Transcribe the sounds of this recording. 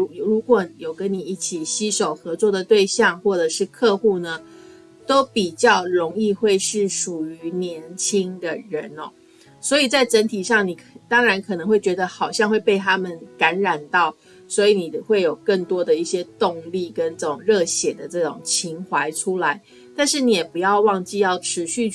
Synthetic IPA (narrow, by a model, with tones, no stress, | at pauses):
ɻu˧˥kwɔ˨˩jo˨˩ʊkə˦˥nni˨˩i˥˩t͡ɕʰi˨˩ɕi˥ʂo˨˩ʊxɤ˧˦t͡swɔ˥˩d̪ə˩t̪we˥˧ɪɕjɑ˥˧ŋxwɔ˥˩ʈ͡ʂɤ˨˩ʂɻ̩˥˧kʰɤ˥˧xu˥˩nə˩ | t̪o˥ʊpi˨˩t͡ɕjɑ˥˩ʊɻʊ˧˥ŋi˥˧xwe˥˧ɪʂɻ̩˥˩ʂu˨˩y˧˥njɛ˧˥nt͡ɕʰi˥ŋd̪ə˨ɻə˧˦nɔ̰˨ | swɔ˧˥i˨˩t͡sa˥˩ɪʈ͡ʂə˧˦˥nt̪ʰi˨˩ʂɑ˥˩ŋni˨˩t̪ɑ˥ŋɻa˧˥nkʰɤ˨˩nɤ˧˥ŋxwe˥˩ɪt͡ɕɥɛ˧˥d̪ə˧xɑ˨˩ʊɕjɑ˥˧ŋxwe˥˧ɪpe˥˩ɪt̪ʰa˥mə˨nka˧˥nɻa˨˩nt̪ɑ˥˩ʊ | swɔ˧˥i˨˥ni˨˩xwe˥˩ɪjo˨˩ʊkə˥˩ŋt̪wɔ˥d̪ə˨i˥˩ɕjɛ˥t̪ʊ˥˧ŋli˥˩kə˦nʈ͡ʂɤ˥˧˩ʈ͡ʂʊ˨˩ŋɻɤ˥˩ɕjɛ˨˩d̪ə˦ʈ͡ʂɤ˥˩ʈ͡ʂʊ̰˨˩ŋt͡ɕʰi˧˥ŋxwa˧˥ɪʈ͡ʂʰu˥la˧˦ɪ | t̪a˥˧nʂɻ̩˥˩ni˨˩jɛ˨˩pu˧˦jɑ˥˧ʊwɑ˥˧ŋt͡ɕi˥˧jɑ˥˩ʊʈ͡ʂʰɻ̩˧˦˥ɕy˥˧